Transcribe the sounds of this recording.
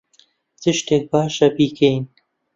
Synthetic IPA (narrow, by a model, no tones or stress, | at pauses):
tɨʃt̪eːk̚baːʃɐpiːkejn